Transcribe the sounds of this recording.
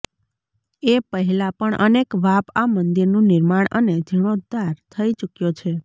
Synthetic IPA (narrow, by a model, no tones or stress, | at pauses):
epəɦɛlapəɳʔə̰nekʋapamənd̪iɾnũnɪɾmaɳ̃ʔəned͡ʒ̪ʱiɽ̃od̪aɾt̪ʰəit͡ʃukjot͡ʃʰe